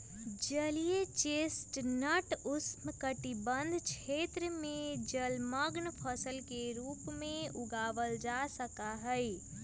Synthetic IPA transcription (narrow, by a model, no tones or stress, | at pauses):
d͡ʒəlijet͡ʃesʈnəʈusmkəʈibənd̪ʱt͡ʃʰet̪ɾəmẽd͡ʒəlməɡnpʰəsəlkeɾupmẽuɡaʋəld͡ʒasəkaɦəj